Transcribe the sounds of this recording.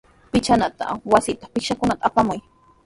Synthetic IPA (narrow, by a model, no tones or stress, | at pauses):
pɪt͡ʃanat̪a̰wasɪt̪ḁχpɪkʃakʊnat̪aːpamʊj